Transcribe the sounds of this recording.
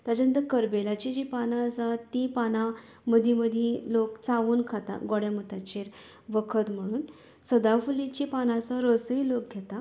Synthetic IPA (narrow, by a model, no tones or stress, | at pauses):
t̪ad͡ʑə̃nd̪əkəɾbelat͡ɕid͡ʑipanãd͡zat̪ːipanã | məd̪ʱiməd̪ʱjẽlokt͡saʋuːnkʰat̪a̰ɡɔɽjamut̪at͡ɕeɾ | ʋəkʰət̪m̤əɽ̃uːn | səd̪afulit͡ɕipanãt͡sɔɾəsəjlok̚ɡʱɛt̪a